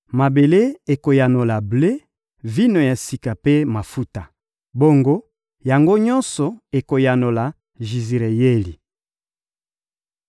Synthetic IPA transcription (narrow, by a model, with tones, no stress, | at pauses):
ma˨be˨le˦e˨ko˨ja˨no˨la˨ble˦ | vi˦no˨ja˨si˨ka˨pe˦ma˨fu˦ta˨ | bo˦ŋɡo˦ | ja˨ŋɡo˦ɲɔ˦nsɔ˨e˨ko˨ja˨no˨la˨ | ʒi˨zi˨ʁe˨je˦li˨